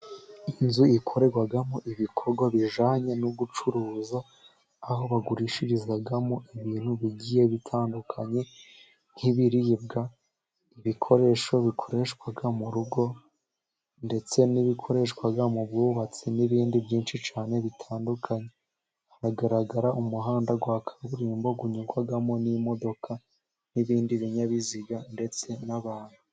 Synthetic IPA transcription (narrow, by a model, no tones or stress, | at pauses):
inzuikʰo̞ɾe̞ɡwaɡamoʔiβikʰo̞ɾɡwaβiʒaːɲe̞nuɡut͡ʃuɾuːza | aɦo̞βaɡuɾiʃiɾizɡaɡamoʔiβiːn̥huβiɟije̞βitʰaːndukʰaɲe̞ | n̥hiβiɾibɡa | iβikʰo̞ɾe̞ʃo̞βikʰo̞ɾeʃkwaɡamuɾuɡo̞ | nde̞t͡se̞niβikʰo̞ɾe̞ʃkwaɡamuβɡuːβat͡siniβiːndibjiːnʃit͡ʃaːne̞βitʰaːndukʰaɲe̞ | haɾaɡaɾaɡaɾaʔumuɦaːndaɡwakʰḁβuɾiːmbo̞ɡuɲuɡwaɡamo̞nimo̞do̞kʰa | niβiːndiβiɲaβiziɡande̞t͡se̞naβaːn̥hu